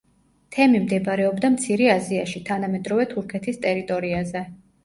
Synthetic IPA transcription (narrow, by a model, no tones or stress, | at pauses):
t̪ʰɛmimd̪ɛbɾɛɔbd̪amt̪sʰiɾɛaziaʃit̪ʰanamɛd̪ɾɔvɛt̪ʰuɾkʰɛt̪ʰist̪ʼɛɾit̪ʼɔɾiazɛ